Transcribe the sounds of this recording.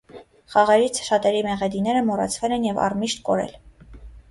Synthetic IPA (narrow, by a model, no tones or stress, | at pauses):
χɑʁɛɾit͡sʰʃɑt̪ɛɾimɛʁɛd̪inɛɾəmɔrɑ̰t͡sʰvɛlɛnjɛvɑ̰rmiʃt̪kɔɾɛ̰l